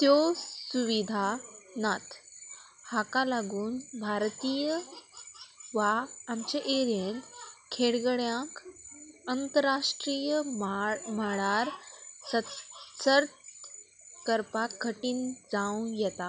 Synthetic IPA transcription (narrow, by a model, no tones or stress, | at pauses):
t̪josuʋid̪ʱanat̪ʰ | hakalaɡuːnbʱaɾt̪ijə | ʋaamt͡ɕeʔeɾjent̪kʰeɽɡəɭjãk | ənt̪əɾaʂʈɾijə | məɭaɾsəsəɾt̪ | kəɾpakːəʈiːnd͡zaw̃jɛt̪a